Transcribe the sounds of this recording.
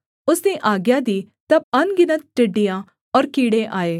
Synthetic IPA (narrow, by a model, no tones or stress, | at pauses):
ʊsdneʔaːɡjaːd̪iː | t̪ɐb̚ɐnɡɪnət̪̚ʈɪɖːijãː | ɔːɾkiːɽeʔaːeː